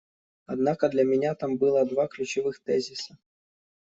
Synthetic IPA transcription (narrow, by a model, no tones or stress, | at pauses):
ɐd̪nakəd̪lʲɐmʲɪnʲat̪ambɨlˠəd̪vaklʲʉt͡ɕɪvɨxt̪ɛzʲisə